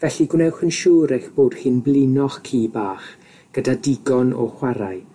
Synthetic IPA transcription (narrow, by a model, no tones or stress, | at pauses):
vɛɬiɡwnɛwχənʃuːɾexb̥oːd̥hɪnblˠɪnɔχkʰiːbaːχ | ɡ̥ədadɪɡɔnɔ̰hwaɾaɨ